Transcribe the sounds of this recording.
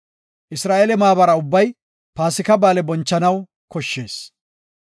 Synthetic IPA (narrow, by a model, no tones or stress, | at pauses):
ʔɪsɾaːʔelɛmaːbɐɾɐʊbːɐj | paːsɪkɐbaːlɛbɔnt͡ʃːɐnɐw | kɔʃːe̞ːs